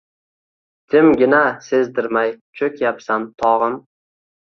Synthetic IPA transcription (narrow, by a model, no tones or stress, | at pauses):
d̪̥ʰɪmɡʲɪnase̞zd̪ɪɾmajt͡ʃʰɵkʲjapsamt̪ʰɒʁɨm